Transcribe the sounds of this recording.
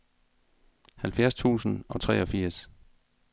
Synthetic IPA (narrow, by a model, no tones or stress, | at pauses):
hælfjæɐst͡sʰṵːsn̩ɒ̽t͡sʰʁɛ̰ːɒ̽fiɐ̰s